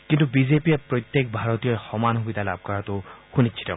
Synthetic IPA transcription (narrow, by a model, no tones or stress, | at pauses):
kintubizepiɛpɹojt̪jek̚bʱaɹɔtijɔɹxɔmanɦubid̪ʱala̰b̚kaɹɔtʊxunitːt͡ʃʰi̥tɛ̰